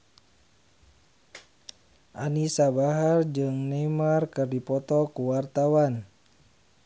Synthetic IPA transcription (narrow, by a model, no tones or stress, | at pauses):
ʔanisabaɦard͡ʒɨŋnɛmarkɨrdipɔt̪ɔkuwart̪awan